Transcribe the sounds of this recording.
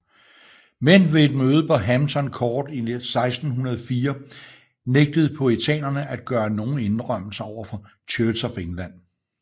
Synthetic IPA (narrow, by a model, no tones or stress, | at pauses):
menʋe̝ːd̥̚møːð̞̩ˠpʰɒ̽ɦæmt͡sʰɒ̽nkʰɒːd̥isɑ̈ɪsd̥n̩ɦunɐð̞ˠfiːɐ | neɡ̥̚d̥əð̩ˠpʰɒ̽it͡sʰɛ̰ːnɐnəʔæd̥̚ɡ̥ɶːɐno̝ːn̩e̝nʁɶm̰l̩sɐɒʊ̰ɐfɒ̽ | t͡ɕʰøːlsɒfeŋlæn̰